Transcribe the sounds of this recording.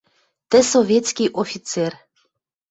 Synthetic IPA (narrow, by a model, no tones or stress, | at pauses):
t̪ə̆sovjet̪t͡skiʔofit͡sɛr